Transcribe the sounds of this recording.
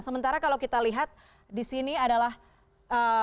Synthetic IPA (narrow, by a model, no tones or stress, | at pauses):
səmənt̪aɾakalawkit̪aliɦat̪̚ | disiniadalah | ə